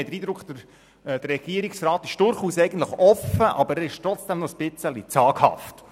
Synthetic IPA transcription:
d̥̪əɾiːd̪ɾʊkχd̪ə | d̥̪əɾrɛɡ̥iəɾiksrɑːt̪ɪʃd̥ʊɾχuːsɛjɡən̩tləχɔfəʔɑbəɾæɾɪʃtɾɔt͡sd̥ɛmnɔsb̥ɪt͡səlit͡sɑːɡ̥hɑ̰ft

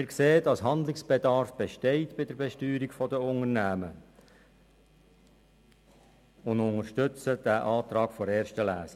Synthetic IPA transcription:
mɪːɾkseːədɑsɦɑnd̪lɪksb̥edɑɾfb̥eʃtɛɪtb̥ɪdəɾbɛʃtyːɾiɡfɔdəʊŋərnæːmə | ʊndʊŋəɾʃtʏt͡səd̥æʔɑːt̪ɾɑːɡfɔɾɛːɾʃtəlæːsə

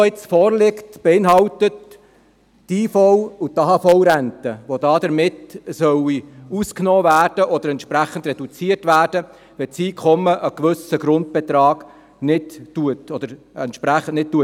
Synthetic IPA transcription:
ɪt͡sfɔːɾlɪktb̥ɛɪnɦɑwt̪ətː | iːfɔwut̪ːɑɦɑfɔwɾænt̪əʋod̪ɑːd̪əɾmɪtsœwiusknɔːvæːrd̥əʔɔd̪əɾɛntʃpɾæχənd̪rɛd̥ut͡siərtʋæːɾd̥ə | ʋɛt͡siːkʰɔmːəʔəkʋʏsəɡɾʊnt̪̚b̥ɛt̪ɾɑːɡ̥ | nɪtːuətɔd̥̪əɾ | ɛntʃpɾæχən̩nɪt̚tːuə

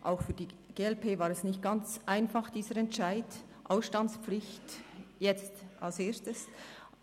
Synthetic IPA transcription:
ʔaʊxfyːɐdiːɡ̥eːɛlpʰeːvaːɾɛsnɪçt̚ɡ̥ant͡sʔaɪnfɑχd̥iːzəɾɛntʃaɪd | ʔaʊsʃtant͡spp͡flɪçtjɛt͡stʔalseːstəs

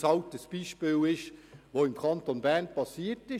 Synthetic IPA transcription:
sɑltəsb̥iːʃpiːlɪʃʋoːɪmkʰɑntonbɛnpɑsiːətɪ

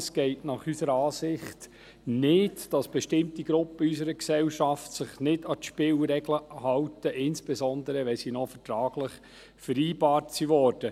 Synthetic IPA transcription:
sɡ̥ɛɪtnɑχysəɾɑːsɪχt | nɪdd̥ɑsb̥ɛʃtɪmtiɡɾʊpːəys̬əɾəksɛlʃɑftsɪχnɪdɑtʃpɪːlɾɛɡləhɑwtəʔɪnsb̥esɔnd̪əɾəʋɛsiːnɔfətɾɑːɡlɪχ | fəɾiːbɑːtsiʋɔːɾd̥ə

